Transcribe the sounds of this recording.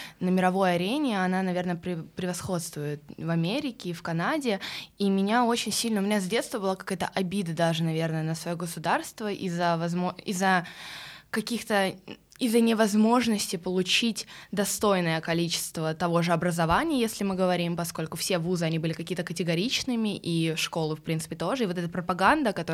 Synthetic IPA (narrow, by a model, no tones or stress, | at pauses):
nəmʲɪɾɐvo̞jɐɾʲenʲɪɐnanɐvʲe̞rnəpɾʲɪpɾʲɪvɐsxo̞t̪st̪vʊjɪt̪vɐmʲeɾʲɪkʲɪːfkɐnadʲɪimʲɪnʲao̞t͡ɕɪnʲsʲilʲnəʊmʲɪnʲazʲdʲet̪st̪vəbɨlˠokɐ̥kajət̪ə̰ʔɐbʲid̪ɨd̪aʐɨnɐvʲe̞rnəjənəsvɐjoɡəsʊd̪arst̪vəʔizːəvɐzmoizːə | kɐkʲixt̪ə | izːənʲɪvɐzmo̞ʐnəsʲtʲɪpəlˠʊt͡ɕitʲd̪ɐst̪o̞jnəjəkɐlʲit͡ɕɪ̥st̪vət̪ɐvo̞ʐɨɐbɾəzɐvanʲɪjjesʲlʲɪmɨɡəvɐɾʲimpɐsko̞lʲkʊfsʲevuzɨɐnʲibɨlʲɪkɐkʲijət̪əkətʲɪɡɐɾʲit͡ɕnɨmʲɪʔiʂko̞lˠɨfpɾʲint̪sɨpʲɪt̪o̞ʐɨivo̞t̪ɛt̪əpɾəpɐɡand̪əkɐt̪o